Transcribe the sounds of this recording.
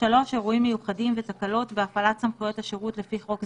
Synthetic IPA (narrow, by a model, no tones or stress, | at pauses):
alo̞ʃeʁuimːejuχadimvet̪akalo̞tveafalatsamχujo̞taʃeʁutle̞fiχo̞k